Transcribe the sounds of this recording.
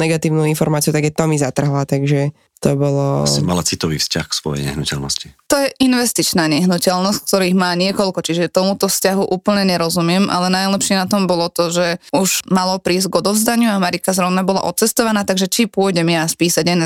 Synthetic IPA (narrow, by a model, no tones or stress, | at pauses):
nɛɡat̪iːʊnuːinfɔɾmaːt͡siut̪aɡat̪ɔmizat̪r̩ɦlat̪aɡʒɛ | t̪ɔbɔlɔma̰lat͡sit̪ɔʋḭːfsca̰xsʋɔ̰jɛ̰ɲɛ̰ɦnucɛ̰lnɔ̰sci̥t̪ɔjɛʔinʋɛst̪it͡ʃnaːɲɛɦnucɛlnɔsck̚t̪ɔɾiːɣmaːɲɪɛkɔlkɔt͡ʃiʒɛt̪ɔmut̪ɔfscaɦuʔuːpl̩ɲɛɲɛɾɔzumɪɛmʔa̰lɛnajlɛpʃɪɛnat̪ɔmbɔlɔt̪ɔʒɛuʒ̥malɔpɾiːzɟɡɔd̪ɔʊzd̪aɲɪuamaɾikazɾɔʊnabɔla̰ʔɔt̪t͡sɛst̪ɔʋanaːt̪aɡʒɛt͡ʃipʊɔjɟɛmjaːspiːsaɟɛn